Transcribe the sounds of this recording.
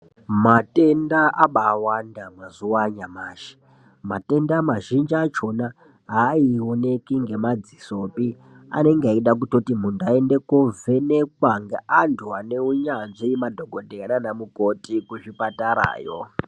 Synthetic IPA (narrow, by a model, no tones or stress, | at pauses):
mate̞ndaʔaɓaːwandamazuwaɲamaːʃe̥ | ma̰te̞ndamaʒind͡ʒat͡ʃo̞na | ɦaːione̞kiŋɡe̞mad͡ziso̞pi | a̰ne̞ŋɡaiɗak̬uto̞tim̤undaendekovenek̚waŋɡeʔantʰuane̞uɲanʐiimadʱoɡʱodʱeananamukotikuʐipataɾa̰ːjo